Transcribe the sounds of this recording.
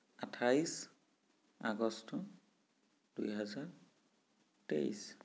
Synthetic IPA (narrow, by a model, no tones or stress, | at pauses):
atʰais | aɡɔstɔ | d̥ujɦɛzaɹ | tḛḭs